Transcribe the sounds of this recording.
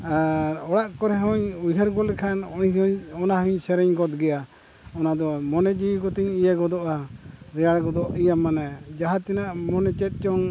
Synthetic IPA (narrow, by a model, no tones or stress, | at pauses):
aɾɔɽaʔkɔɾɛɦɔɲujɦaɾɡɔlɛkʰanɔɔnaɦuɲsɛɾɛɲɡɔt̪̚ɡɛja | ɔnad̪ɔmɔnɛd͡ʒikɔt̪iɲijaɡɔd̪ɔʔaɾɛjaɽɡɔd̪ɔʔijamːanad͡ʒaɦat̪inaʔmɔnɛt͡ʃɛt̪̚ˀt͡ʃɔŋ